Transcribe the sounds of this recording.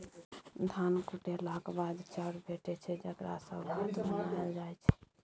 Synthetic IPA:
d̪ʱankuʈelakbad̪t͡ʃaɾbʱeʈɛt͡ʃʰɛd͡ʒəkɾa̰səbbat̪bbənaeld͡ʒajt͡ʃʰɛ̥

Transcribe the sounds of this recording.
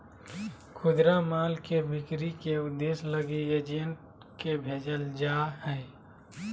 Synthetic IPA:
kʰʊd̪ɾamaːlkebʱɪkɾikeʊd̪ːeːsləɡied͡ʒenʈ | kebʱeːd͡ʒəld͡ʒaːɦɛː

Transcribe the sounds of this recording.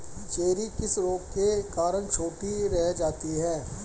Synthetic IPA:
t͡ʃeːɾikɪsɾoːɡ̚kekaːɾənt͡ʃʰoːʈiɾɛɦd͡ʒaːt̪iɦɛː

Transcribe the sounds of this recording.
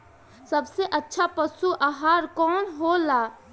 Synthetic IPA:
səbseʔətːʃʰapəsuʔaɦaːɾkɔːnɦolaː

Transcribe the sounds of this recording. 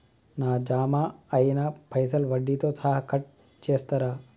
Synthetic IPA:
naːd͡ʒaːmaːɐinapʰɐjs̬ɐlʋɐɖːit̪ot͡sʰaːɦɐkʰɐʈ̚ | t͡ʃeːst̪ɐɾaː

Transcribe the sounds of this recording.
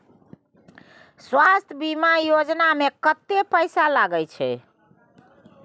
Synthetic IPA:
swast̪ʰəbimajod͡ʒnamekət̪ːepəɪsalaɡəjt͡ʃʰɛ̰

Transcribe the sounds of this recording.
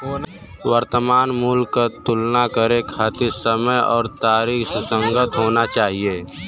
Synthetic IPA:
wəɾt̪əmaːnmulat̪ʊlnakəɾekʰaːt̪ɪɾsəməjɔ̰ːɾt̪aːɾiːxssə̃ŋɡət̪ɦoːnat͡ʃaːɦieː

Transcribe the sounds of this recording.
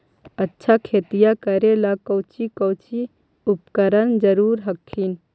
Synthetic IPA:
ətːʃʰakʰeːt̪ijakəɾelakəʊt͡ʃikəʊt͡ʃi | upkəɾənd͡ʒəɾuːɾɦəkʰːin

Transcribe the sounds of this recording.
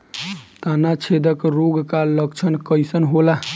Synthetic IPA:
t̪anat͡ʃʰed̪əkɾoɡkaləkt͡ʃʰənkəjsənɦola

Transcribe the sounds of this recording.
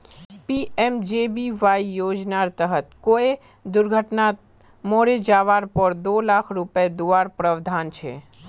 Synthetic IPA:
piemd͡ʒebiʋaiːod͡ʒnaɾt̪əɦət̪̚koe | d̪ʊɾɡʱəʈna | moɾed͡ʒaʋaɾpəɾd̪olakʰɾupjed̪uʋaɾpɾəʋd̪ʱant͡ʃʰḛ

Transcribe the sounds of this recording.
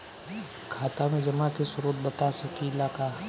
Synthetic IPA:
kʰaːt̪amẽd͡ʒɐmat̪isʊɾoːt̪̚bɐt̪asɐkilaːka

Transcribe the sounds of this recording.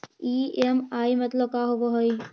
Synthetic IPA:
iːemaːimɐt̪ləb̚kaːɦoboɦoi

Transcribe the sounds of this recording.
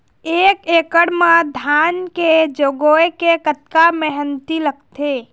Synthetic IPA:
ekekəɽmãd̪ʱanked͡ʒoɡoekekət̪̚kaməɦənt̪ilək̚ʰt̪ʰe

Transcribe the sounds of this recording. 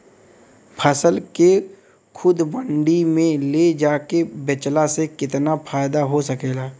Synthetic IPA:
pʰəsəlke | kʰʊd̪bə̃ɳɖimẽled͡ʒaːkebɪt͡ʃlasekɪt̪napʰaːjd̪aɦosəkeːlaː

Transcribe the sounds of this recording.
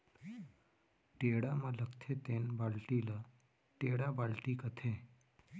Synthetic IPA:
ʈeɽamələkt̪ʰet̪enbalʈilə | ʈeɽabalʈiːkət̪ʰẽ

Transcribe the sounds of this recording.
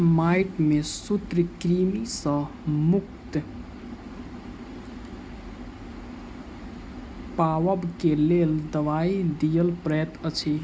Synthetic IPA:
majʈmesut̪ɾəkɾimisə̃ | muk̚t̪ | paʋəbkeleld̪əʋaid̪ijəlpɾəjət̪ət͡ʃʰi

